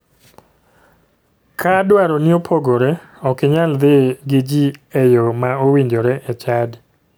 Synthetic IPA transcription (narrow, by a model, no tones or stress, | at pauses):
kʰadwaɾonɪopʰoɡoɾɛ | ɔkɪɲald̪ɪɡɪd͡ʒiɛjomaowiɲdoɾɛʔɛt͡ʃad